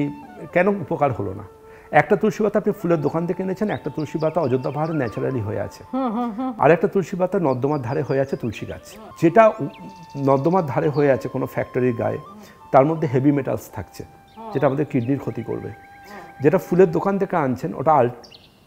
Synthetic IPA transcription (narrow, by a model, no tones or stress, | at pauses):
ikɛnoupokaɾɦolo̰na̰ | ɛk̚ʈat̪ulʃibat̪ːaapnifuleɾd̪okant̪ʰekeenet͡ɕʰenɛk̚ʈat̪ulʃibat̪ːaɔd͡ʑod̪ːapaɦaɾenɛt͡ɕuɾaliɦoḛa̰t͡ɕʰe̥ | a̰ɾɛk̚ʈat̪ulʃibat̪ːanɔd̪ːomad̪ʱaɾeɦoeat͡ɕʰet̪ulʃiɡa̰t͡ɕʰ | d͡ʑeʈa | nɔd̪ːomad̪ʱaɾeɦoeat͡ɕʰekonofɛk̚ʈoɾiɾɡa̰e | t̪aɾmod̪ʱːeɦebimeʈa̰lst̪ʰakt͡ɕʰḛ | d͡ʑeʈaamad̪eɾkiɖniɾkʰot̪iko̰ɾbḛ | d͡ʑeʈafuleɾd̪okant̪ʰekeant͡ɕʰeno̰ʈaal